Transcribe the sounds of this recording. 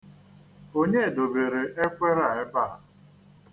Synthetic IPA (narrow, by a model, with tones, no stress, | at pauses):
o˦ɲe˦˨do˨be˨ɾe˨ʔe˦kʷe˦ɾa˦˨e˦ba˦ɦa˨